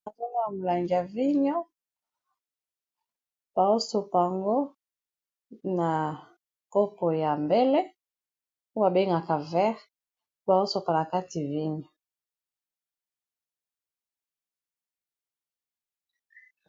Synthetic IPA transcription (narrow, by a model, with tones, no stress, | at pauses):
a˨za˦na˦a˨mu˨la˨ŋɡi˨a˨vi˦ɲo˦ | b̥a˨o˦so˨pa˨a˨ŋɡo˦ | na˨ | ko˦po˨ja˨mbe˦le˦ | u˦a˨be˦ŋɡa˨ka˨vɛ˦ʁ | ba˨o˦so˨pa˨na˨ka˦ti˨vi˦ɲo˨